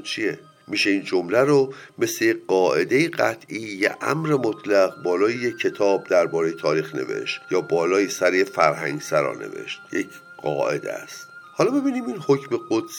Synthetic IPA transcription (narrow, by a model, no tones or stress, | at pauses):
t͡ʃʰije | miːʃe̞ind͡ʒomlæɾome̞slejeɢɒːʔe̞d̪e̞jiɢæt̪ʰʔiːjæ̰ʔæ̰mɾemot̪ʰlæɣbɒːlɒːjejeːe̞t̪ʰɒːb̚d̪æɾbɒːɾejet̪ʰɒːɾiːxne̞̰ve̞̰ʃt̪jɒːbɒːlɒːjisæɾejefæɾɦæŋɟsæɾɒ̰ːne̞̰vḛʃt̪̚jec | ɢ̥ɒ̰ːʔe̞̰d̪ḛst̪hɒlɒːbebiːniːminhocʰmeɡod̪̥s